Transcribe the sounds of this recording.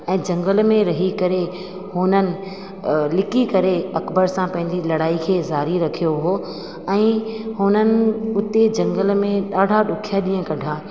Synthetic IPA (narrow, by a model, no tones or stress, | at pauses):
ɛ̃ːd͡ʑɐ̃ŋɡəlmẽɾɐɦikɐɾe | hʊnənɪ̆ | lɪkikɐɾeɐkbəɾsãpɐ̃ɦɪ̃ɲd͡ʑilɐɽaːikʰeːzaːɾiɾɐkʰijoɦoː | ɛ̃ːhʊnənɪ̆ʊt̪ed͡ʑɐ̃ŋɡəlmẽɗaːɖʱaɗʊkʰijaɗĩːə̃kɐɖʱaː